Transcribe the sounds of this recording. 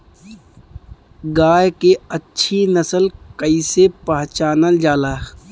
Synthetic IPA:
ɡaːjkeətːʃʰinəsəlkəisepɦt͡ʃaːnəld͡ʒaːlaː

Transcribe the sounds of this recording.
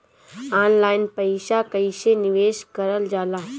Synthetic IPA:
aːnlaːɪnpəɪʃakəɪʃenɪʋeːʃkəɾəld͡ʒaːlaː

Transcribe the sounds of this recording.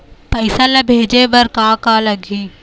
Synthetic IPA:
pəɪsalabʱeːd͡ʒeʋɐɾkãːkalɐɡʱiː

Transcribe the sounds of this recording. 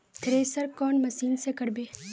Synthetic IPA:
t̪ʰɾeːsɐɾkɔːnmɐsiːnsekɐɽbeː

